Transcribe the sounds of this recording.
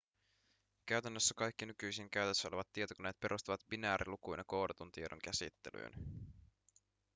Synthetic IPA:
kæɥt̪ænːøsːækɑjk̟ːinykyjsiŋkæɥt̪əsːæoleʋɑt̪ːiet̪okuneːt̪pe̞ɾʔust̪uʋɑt̪binæːɾʔḭlukujnjɑko̞wdɑt̪unt̪iedo̰ŋk̟æsḭt̪ːe̞ly̰ːn

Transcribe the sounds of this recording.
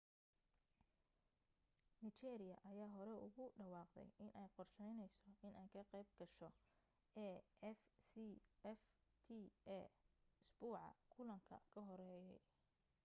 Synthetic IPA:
nit͡ʃɛːɾɪjɐʔɐjaːɦɔɾɛʊ̰ɣʊɖɐwɑːqd̪ɛ̰jʔɪnʔɛjqɔrʃɛjnɛjsɔɪnʔɛjkʰɐqɛjb̚ɡɐʃɔ | ɛːɛfsiɛft̪ʰiɛɪsbuːʕɑ̰kʰʊlɐŋkʰɐ̰kʰɐɦɔɾɛːjɛj

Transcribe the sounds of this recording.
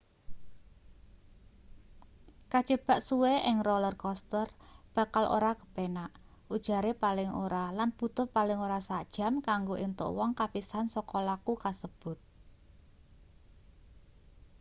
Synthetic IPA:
kad̥ʒ̥ə̤b̥a̤ʔsuweʔɪŋrɔlərkɔst̪ərb̥a̤kalʔo̰ɾakə̥penaʔ | ʔud̥ʒ̥a̤ɾepalɪŋʔoɾalanb̥ṳt̪ʊrpalɪŋoɾasad̥ʒ̥a̤mkaŋɡoʔint̪ʊ̰ʔwɔŋkapisansɔkɔlakukasəb̥ʊ̤t̪̚

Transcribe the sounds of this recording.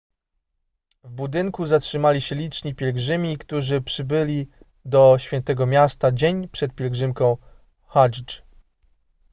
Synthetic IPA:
vbud̪ɘŋkuzatʂɘmalʲiɕɛlʲit͡ʂɲipʲjɛlɡʐɘmʲikt̪uʐɘpʂɘbɘlʲi | d̪ɔɕfʲɛnt̪ɛɡɔmʲjast̪ad͡ʑeɲpʂɛt̪̚pʲjɛlɡʐɘmkɔ̃w̃ | xaʐt͡ʂ

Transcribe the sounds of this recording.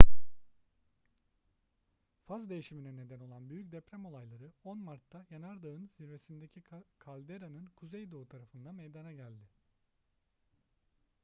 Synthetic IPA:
fazd̪e̞jiʃiminɛne̞d̪æno̞lˠanbyjyc̚ʲd̪epɾæmo̞lˠajlˠaɾɯo̞nmaɾt̪ʰːajanaɾd̪ɯɯnziɾve̞sind̪e̞cʰikʰalʲd̪eɾanɯnkʰuzejd̪o̞t̪ʰaɾafɯnd̪amejd̪anaɟælʲd̪ɪ

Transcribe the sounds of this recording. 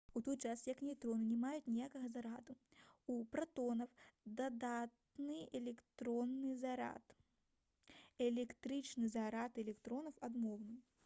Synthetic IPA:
ut̪ɔt̪t͡ʂasjɐknʲɛt̪ɾɔnɨnʲɛmajut̪nʲijakɐɣɐzɐɾat̪uupɾat̪ɔnɐwd̪ad̪at̪nɨɛlʲɛkt̪ɾɔnːɨzaɾa̰t̪ | ɛlʲɛkt̪ɾɨt͡ʂnɨzaɾat̪ɛlʲɛkt̪ɾɔnɐwad̪mɔwnɨm

